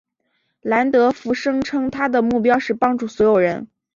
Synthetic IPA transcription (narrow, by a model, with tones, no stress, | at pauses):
la˧˥nt̪ɤ˧˥fu˧˥ʂɤ˥ŋʈ͡ʂʰɤ˥ŋt̪ʰa˥d̪ə˨mu˥˩p̬jɑ˥ʊʂɻ̩˥˩pɑ˥ŋʈ͡ʂu˥˩swɔ˧˥jo˨˩ʊɻə˧˥n